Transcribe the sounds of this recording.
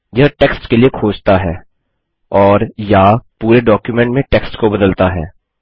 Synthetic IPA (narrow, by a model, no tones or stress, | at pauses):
jaʈeːksʈkeliekʰoːd͡ʒt̪aɦɛː | ɔːɾjapuːɾeɖɔːkjumɛ̃ɳʈmẽʈeːksʈkobɐd̪əlt̪aɦɛ̰ː